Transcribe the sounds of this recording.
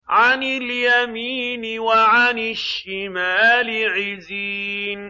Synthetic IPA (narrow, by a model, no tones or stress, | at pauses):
ʕanɪljamiːnɪwaʕanɪʃɪmaːlɪʕɪziːn